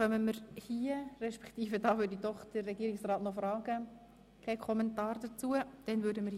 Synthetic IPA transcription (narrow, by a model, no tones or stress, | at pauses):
χœməməɾhiːəɾɛʃpɛ̥kt̪iːfədɑːʋʏdidɔχd̥ərːɛɡiːɾɪksrɑːtnɔfɾɑːɡ̥ə | kʰɛɪkʰɔmɛntɑːɾdət͡suəd̥ɛnʋøɾdəməɾ